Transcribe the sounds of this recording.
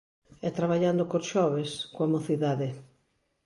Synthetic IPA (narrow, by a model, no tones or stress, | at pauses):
ɛt̪ɾaβaʎand̪okosʃɔβeskoamoθiðaðɪ